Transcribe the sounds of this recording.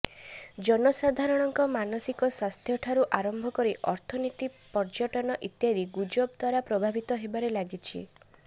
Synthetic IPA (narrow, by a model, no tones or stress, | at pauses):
d͡ʒɔnɔsad̪ʱaɾɔɽ̃ɔŋkɔmanɔsikɔswast̪ʰjɔʈʰaɾuʔaɾɔmbʱɔkɔɾiʔɔɾt̪ʰɔnit̪ipɔɾd͡ʒɔʈɔnɔʔit̪jad̪iɡud͡ʒob̚d̪ʱwaɾapɾɔbʱabʱit̪ɔɦebaɾelaɡit͡ʃʰḭ